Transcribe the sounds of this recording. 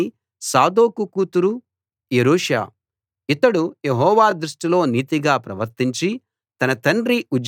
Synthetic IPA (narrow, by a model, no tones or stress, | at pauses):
i | saːd̪oːkukuːt̪uɾu | jeɾuːʂa̰ː | it̪ɐɽuje̞ɦɔːʋaːd̪ɾuʂʈilo̞ːniːt̪iɡaːpɾɐʋɐɾt̪iɲt͡ʃi | t̪ɐnɐt̪ɐɳɖɾiud͡ʒ